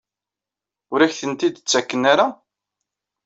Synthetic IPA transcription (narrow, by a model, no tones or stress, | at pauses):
ʊɾæçθənt̪id̪t͡sːækːənaɾa